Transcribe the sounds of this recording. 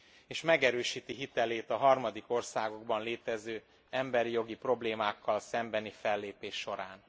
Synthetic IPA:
eːʃmɛɡɛɾøːʃiːt̪iɦit̪ɛleːt̪ɒɦɒrmɒd̪iko̞rsaːɡo̞ɡbɒnleːt̪ɛzøː | ɛmbɛɾijo̞ɡipro̞bleːmaːkʰːɒlsɛmbɛnifɛlːeːpeːʃːo̞ɾaːn

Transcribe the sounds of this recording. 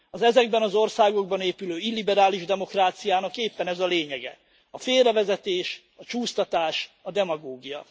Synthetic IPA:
ɒzɛzɛɡbɛnɒzo̞rsaːɡo̞ɡ̚bɒneːpyløːilːibɛɾaːliʒd̪ɛmo̞kraːt̪sijaːnɒkeːpːɛnɛzɒleːɲɛɡɛ̰ | ɒfeːlrːɛvɛzɛt̪eːʃ | ɒt͡ʃuːst̪ɒt̪aːʃɒd̪ɛmɒɡoːɡijɒ̰

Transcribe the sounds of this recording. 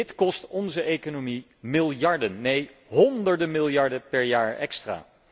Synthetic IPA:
ɪtkɔstɔnzəʔejkonomi | mɪlˠjɑɹdənːejɦɔndəɹdəmɪlˠjɑɹdəpɛɹjaːɹɛ̰kstra̰ː

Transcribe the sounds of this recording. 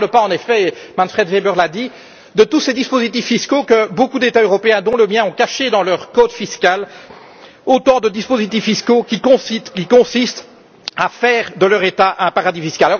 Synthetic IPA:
ləpaɑ̃nefɛ | mɑ̃nfχɛd̪vebœʁlad̪i | d̪ət̪used̪ispozit̪ifːiskokəbokud̪et̪aøʁɔpeɛ̃d̪ɔ̃ləmjɛ̃ɔ̃kaʃed̪ɑ̃lœʁkod̪fiskʲal | ot̪ɑ̃d̪əd̪ispozit̪ifːiskokʲikɔ̃skʲikɔ̃sist̪ | afɛːʁd̪əlœʁet̪aʔɛ̃paʁad̪ifiskʲala

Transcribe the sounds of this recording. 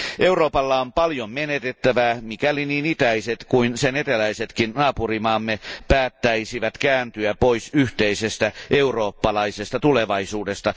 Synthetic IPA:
ʔe̞uro̞ːpɑlːɑompɑljommenet̪et̪ːæʋæmikæliniːnit̪æiset̪kuinsenet̪elæiset̪kinnɑːpurimɑːmːepæːt̪ːæisiʋæt̪kæːnt̪yæpoisyht̪eise̞st̪æʔe̞uro̞ːpːɑlɑisest̪ɑt̪uleʋɑisuːde̞st̪ɑ

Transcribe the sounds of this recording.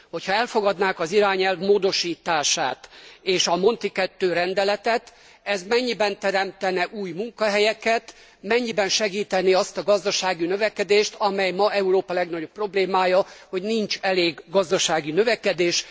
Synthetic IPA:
ho̞chɒɛlfo̞ɡɒd̪naːkɒziɾaːɲɛlvmoːd̪o̞ʃiːt̪aːʃa̰ːt̪eːʃɒmo̞nt̪ikɛt̪ːøːɾɛnd̪ɛlɛt̪ɛt̪ | ɛzmɛɲːibɛnt̪ɛɾɛmt̪ɛnɛʔuːjmuŋkɒɦɛjɛkɛt̪ | mɛɲːibɛnʃɛɡiːt̪ɛniɒst̪ɒɡɒzd̪ɒʃaːɡinø̞vɛkɛd̪eːʃt̪ɒmɛjmɒʔɛuɾoːpɒlɛɡnɒɟo̞pːro̞bleːmaːjɒho̞ɟnint͡ʃɛleːɡːɒzd̪ɒʃaːɡinø̞vɛkɛd̪eːʃ

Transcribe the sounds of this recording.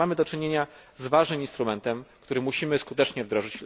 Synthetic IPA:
amɘd̪ɔt͡ʂɘɲeɲazvaʐnɘminst̪ɾumɛnt̪ɛmkt̪uɾɘmuɕimɘskut̪ɛt͡ʂɲɛvd̪ɾɔʐɘt͡ɕl

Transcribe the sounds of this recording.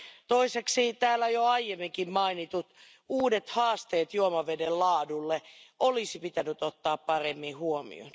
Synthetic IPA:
t̪oiseksit̪æːlːæjoɑijemːiŋkimmɑinit̪ut̪ | uːdet̪hɑːst̪eːt̪juomɑʋedellɑːdulːeʔolisipit̪ænyt̪ot̪ːɑːppɑremːihuomḭo̰n

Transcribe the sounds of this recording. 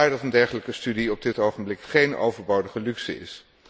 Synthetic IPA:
ajdɑtəndɛɹχələkəstydiɔb̚dɪtowχəmblɪkχejno̰wvəɹbowdəχəlyksə̰ɪ̰s

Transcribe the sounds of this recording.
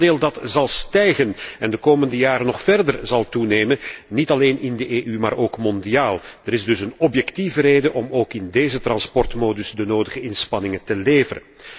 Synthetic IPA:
deːlˠdɑtzɑlˠstɛjɣənɛndəkoːməndəjaːɾənɔχfɛrdərzɑlˠtuneːmənnitɑleːnɪndəʔeːʔymaːɾoːkmɔndiaːlˠd̥əɾɪzdɵsənɔpjɛktivəɾeːdəʔɔmoːkɪndeːzətrɑnspɔrtmoːdʏsdənoːdəɣəɪnspɑnɪŋətəleːvərə̰n

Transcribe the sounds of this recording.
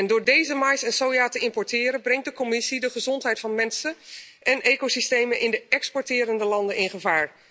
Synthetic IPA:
ɛndʊːɹdejzəmajsɛnsowjaːtəɪmpɔɹtɪːɾənbrɛŋt̚dəkomɪsidəχəzɔntɦɛjtfɑnmɛnsəɛnekosistejmənʔɪndəɛkspɔːɹtɪːɾəndəlɑndənɪnχəvaːɹ

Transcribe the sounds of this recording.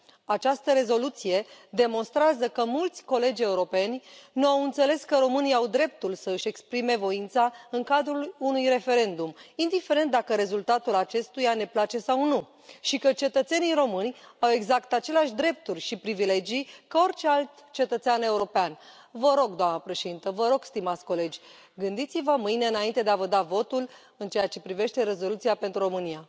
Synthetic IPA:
at͡ʃast̪əɾe̞zo̞lut̪sije̞d̪e̞mo̞nst̪ɾeazəkəmult̪sʲko̞le̞d͡ʒʲe̞uɾo̞pe̞nʲnuawɨnt̪sele̞skəɾo̞mɨniawd̪ɾe̞p̚t̪ulsəɨʃe̞kspɾime̞vo̞int̪saɨŋkad̪ɾulunujre̞fe̞ɾe̞nd̪umind̪ife̞ɾe̞nt̪̚d̪akəɾe̞zult̪at̪ulat͡ʃe̞st̪ujane̞plat͡ʃe̞sawnu | ʃikət͡ʃe̞t̪ət̪se̞niɾo̞mɨnʲawe̞ɡzakt̪at͡ʃe̞leaʃʲd̪ɾe̞p̚t̪urʲʃipɾivile̞d͡ʒijkəo̞rt͡ʃe̞alt̪t͡ʃe̞t̪ət̪seane̞uɾo̞pean | vəɾo̞ɡd̪oamnəpɾe̞ʃe̞d̪int̪əvəɾo̞ɡ̥st̪imat̪sʲko̞le̞d͡ʒʲ | ɡɨnd̪it̪sivəmɨjne̞ɨnaint̪ed̪eavəd̪avo̞t̪ul | ɨnt͡ʃe̞jat͡ʃe̞pɾive̞ʃt̪e̞ɾe̞zo̞lut̪siape̞nt̪ɾuɾo̞mɨnija

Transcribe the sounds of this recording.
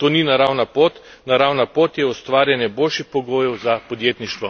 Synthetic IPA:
t̪oːninaɾawnapoːt̪naɾawnapoːt̪jɛɔst̪ʋaːɾjanjɛboːlʃixpɔɡoːjɛwzapɔd̪jeːt̪niʃt̪ʋɔ

